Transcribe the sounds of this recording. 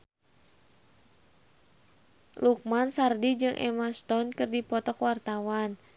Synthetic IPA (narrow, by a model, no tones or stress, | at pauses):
luk̚mansardid͡ʒɨŋʔɛ̰mast̪ɔnkɨrdipɔt̪ɔkwart̪awan